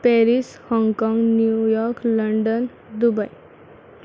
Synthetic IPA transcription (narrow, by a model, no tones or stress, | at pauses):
pɛɾishɔŋɡkɔŋɡnjujɔɾkləɳɖən | d̪ubaj